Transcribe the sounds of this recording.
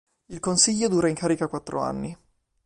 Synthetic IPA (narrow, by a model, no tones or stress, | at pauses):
ilkonsiʎːod̪uːɾaiŋkʰaːɾikakwat̪ːɾo̰a̰nːi